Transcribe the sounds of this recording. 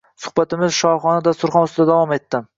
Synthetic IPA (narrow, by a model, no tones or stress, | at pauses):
sʊ̥χbat̪ɪmɪzʃɒχɒnad̪ast̪ʊɾχɒnʊst̪ɪd̪ad̪avɒmet̪ːɪm